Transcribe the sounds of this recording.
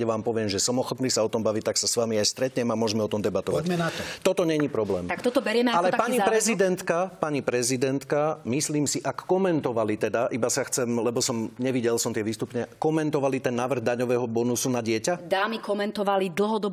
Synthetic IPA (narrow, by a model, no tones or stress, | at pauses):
ɛʋaːmpɔʋɪɛmʒɛsɔmɔxɔt̪niːsaɔt̪ɔmbaʋic̚t̪aksasʋamiajst̪ɾɛt̪ɲɛmamʊɔʒɛmɛɔt̪ɔmd̪ɛbat̪ɔʋaaɛnat̪ɔt̪ɔt̪ɔɲɛɲipɾɔblɛːmakt̪ɔt̪ɔbɛɾɪɛmɛalɛapaɲipɾɛzid̪ɛnt̪kapaɲipɾɛzid̪ɛnt̪kamisliːmsiʔakːɔmɛnt̪ɔʋalit̪ɛd̪aʔibasaxt͡sɛmlɛbɔsɔmɲɛʋiɟɛlsɔmt̪ɪɛʋiːst̪upɲɛkɔmɛnt̪ɔʋalit̪ɛnːaːʋr̩ɣd̪aɲɔʋɛːɦɔbɔnusunaɟɪɛcad̪aːmikɔmɛnt̪ɔʋalid̪l̩ˠɦɔd̪ɔb